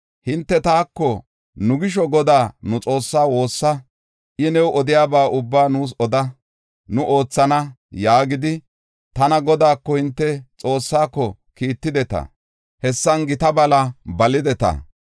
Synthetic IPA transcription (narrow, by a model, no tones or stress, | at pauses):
hɪnt̪ːɛt̪aːkːɔ | nʊɡɪʃ̬ɔɡɔd̪aːnʊt͡sʼo̞ːsːaːwo̞ːsːɐ | ʔɪnɛwʔɔd̪ɪjaːbaːʔʊbːaːnuːs̬ɔd̪ɐ | nʊʔo̞ːt͡sːɐnɐ | jaːɡɪd̪ɪ | t̪ɐnɐɡɔd̪aːkːɔhɪnt̪ːɛt͡sʼo̞ːsːaːkːɔ | kiːt̪ːɪd̪ɛt̪ɐ̰ | hɛsːɐnɡɪt̪ɐbɐlɐbɐlɪd̪ɛt̪ɐ̰